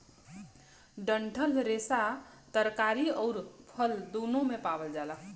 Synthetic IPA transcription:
ɖəɳʈʰəlɾesa | t̪əɾkaɾiɔʊɾpʰəld̪unomepabəld͡ʒala

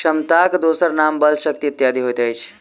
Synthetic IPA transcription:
ʃəmt̪akd̪osəɾnambəlʃək̚t̪iut̪jad̪iɦojt̪əjt͡ʃʰ

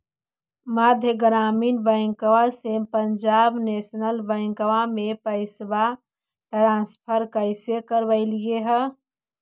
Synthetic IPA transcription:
mad̪ʱjəɡɾaːmiːnbə̃ŋkəʋasepənd͡ʒabnesnəlbəɪ̃ŋkəwamepəɪsba | ʈɾãspʰəɾkəɪsjekəɾbəɪlijeɦə

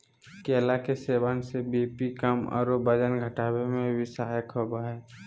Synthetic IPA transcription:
keːlakeseːbaːnsebeːpikəmɔ̰ːɾobəd͡ʒənɡʱəʈaːwemẽbʱɪsaːjəkɦobaːɦɛː

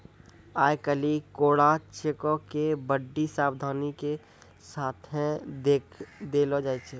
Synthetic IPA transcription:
aːjkəlikoːɽat͡ʃekokebəɖːisaːbd̪ʱaːnike | saːt̪ʰɦɛ̃d̪ekʰd̪eːlod͡ʒaːit͡ʃʰe

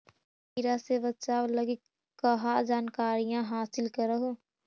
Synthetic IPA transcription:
iɾasebɐt̪t͡ʃaːʋlɐɡik | kəɦad͡ʒaːnkaːɾijãɦaːsɪlkɐɾəɦoː

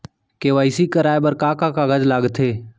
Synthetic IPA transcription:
keʋaːɪsikəɾaːebəɾkaːkakaɡəd͡ʒlaːɡt̪ʰeː

